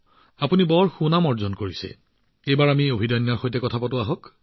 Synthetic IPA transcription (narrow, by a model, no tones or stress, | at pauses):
apunibɔɹxunamɔɹzɔnkoɹisɛ̰ | ejbaɹamiobʱidɔjnjaɹxojtɛkɔtʰapɔtʊaɦɔk